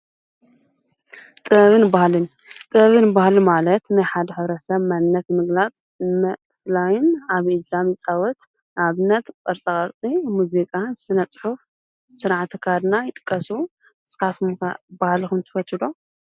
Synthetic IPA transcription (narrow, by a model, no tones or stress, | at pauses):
t̪ʼɨβɨnbahlɨn | t̪ʼɨβɨnbahlimalɐt̪najħad̪ɐħɨβɾɐsɐβmanːɐt̪mɨɡlat͡sʼ | mɐ | flajɪnaβʔilamjɪt͡sʼawɔt̪ | naβɨnːɐt̪pʼɐɾsʼɐkʼɐɾt͡s̪ʼimuzikʼasɨnɐt͡sʼħuf | ɨsɨɾaʕt̪ʰːɨkʰad̪najɪt̪ʼɨ̥kʼːɐsu | sʼɨkat̪m̰bahlikumt̪ʰɨfɐt̪ʰɨd̪o